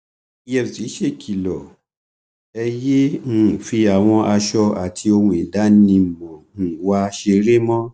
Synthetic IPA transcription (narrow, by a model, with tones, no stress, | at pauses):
i˧˦ɛ˧˨fsi˨˦ʃe˦˨kʰi˨lɔ˨ | ɛ˧jẽ˦˨fi˧a˨w̃ɔ̃˧a˧ʃɔ˧a˨tʰi˧o˧hũ˧i˨da˨˦nĩ˧˨mɔ̃˨wa˦ʃe˧ɾe˦mɔ̃˦